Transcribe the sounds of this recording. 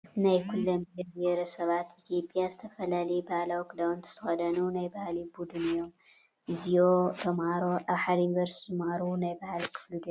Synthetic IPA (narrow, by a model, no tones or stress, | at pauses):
najkʰulːɐmbɾbeɾɐsɐβat̪it̪ʰijo̞pʼijazɨt̪ʰɐfɐlalɐjbahlawkʰd̪awnt̪z̥ɨ̥t̪ʰɐxɐd̪ɐnunajbɐhlibud̪unɨjːom | ɨzijot̪ʰɐmaɾoʔaβħalinvɐɾst̪ʰmaɾunajbɐhlikʰɨ̥flud̪